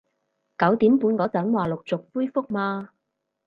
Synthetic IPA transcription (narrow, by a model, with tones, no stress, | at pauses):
kɐ˨˥wt̪iː˨˥mpuː˧nkɔː˨˥t͡sɐ˨˥nwaː˨˩lʊ˨k̚t͡sʊ˨k̚puː˥jfʊ˥k̚maː˧